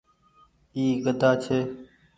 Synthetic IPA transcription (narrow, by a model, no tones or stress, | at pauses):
iːɡəd̪ʱaːt͡ʃʰeː